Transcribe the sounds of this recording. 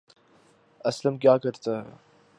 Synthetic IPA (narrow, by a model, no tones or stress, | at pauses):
ɐsləmkjaːkɐɾt̪aɦɛ̰ː